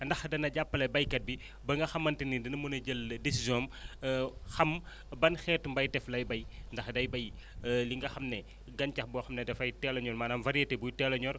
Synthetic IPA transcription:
ndɐxdɐnɐɟapːɐlɐjbɐjkɐt̚bi | bɐŋɡɐxɐmːɐntinidɐnɐmunɐɟəldisizjɔm | xɐm | bɐnxɛtumbɐjtɛflɐjbɐjndɐxdɐjbɐj | liŋɡɐxɐmnɛ | ɡɐncɐxbɔxɐmnɐdɛfɐjtɛlɐɲɔrmaːnamvɐɾiɐtebujtɛlɐɲɔɾ

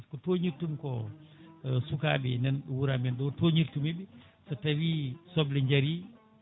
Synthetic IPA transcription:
kɔtoːɲiɾtːumkɔ̰ | suka̰ːbinɛnwuɾamɛndɔːtoɲiɾtumibi | sɐtɐwiːsɔbliɲd͡ʒɐɾi

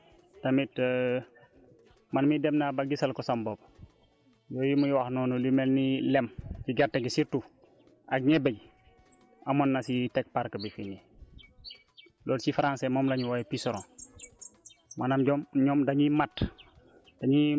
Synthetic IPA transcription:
tamitː | manmidɛmnabaɡisalkɔsambob̚ | joːjimujwaxnɔːnulimelnilemkiɡaɾteɡisiɾtu | ʔak̚ɲebeɟ | amonːasitɛk̚paɾkabifine | loːlsifaɾãnsemoːmlaɲuwajpisɔɾõ | manamɟɔmɲɔmdaɲimat | d̥aɲi

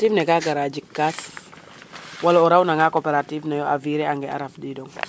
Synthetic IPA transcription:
tivnɛɡaɡaɾad͡ʒikːas | walɔɔɾawnaŋakopeɾativnajɔʔa̰viɾɛaŋɡɛa̰ɾafdidɔŋ

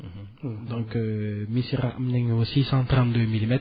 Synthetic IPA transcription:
d̪ɔ̃kømisiʁaʔmnɛŋosisɑ̃t̪ʁɑ̃nt̪̚d̪ømilimɛt̪

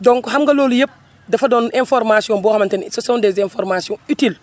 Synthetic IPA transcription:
dɔŋkhamɡɐloːlujep̚ | dɐfɐdɔːnɛnfɔɾmasiɔnbɔːxɐmɐntɛnsɔsɐndɛzɛnfɔɾmasiɔ̃nitil

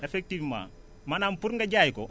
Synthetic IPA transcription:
efek̚tivmã̰ː | manampuɾŋɡaɟaːjiko

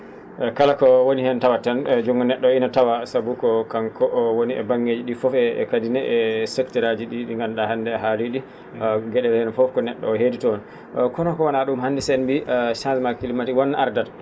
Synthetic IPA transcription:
ɛkalakɔwonihɛntawatand͡ʒuŋɡɔnɛɗːɔinatawasabukɔkaŋkɔʔwoniɛ̰baŋɡed͡ʒiɗifɔfɛkadinɛʔɛsɛktɛɾad͡ʒiɗiɗiŋɡamɗahandɛɛɦaliɗi | ɡɛɗɛlhɛnfɔfkɔnɛɗːɔ̰ːɦeditɔn | kɔnɔkɔwanaɗumhandisɛnbiʔʃãnsmakilimatiwɔnːʔaɾdad

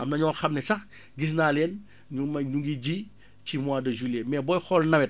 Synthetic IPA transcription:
ʔɐmnɐɲɔːxɐmnɛsɐx | ɡis̬naːlɛːn | ɲumɐɲuŋɡiɟi | cimwaːdɐʒulɛmɛːbɔjxɔlnɐwɛt̚

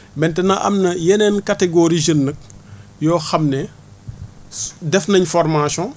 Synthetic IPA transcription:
mɛntɛnɐʔɐ̰mnɐjɛnɛnkɐtɛɡoɾiʒənːɐk̚jɔːxɐmnɛ | dɛfnɐɲfɔrmasɔ̃

